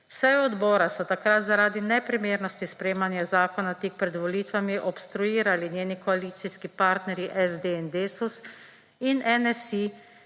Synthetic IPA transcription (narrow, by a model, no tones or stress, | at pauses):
wsɛjɔd̪bɔːɾasɔt̪akɾat̪zaɾaːd̪inɛpɾimeːɾnɔst̪ispɾeːmanjazaːkɔnat̪iːk̚pɾɛd̪ʋɔliːt̪ʋamiʔɔpst̪ɾujiːɾalinjeːnikɔaliːt̪siskipaːɾt̪nɛɾjiʔɛzd̪eɛnd̪eːsus | inɛnɛsi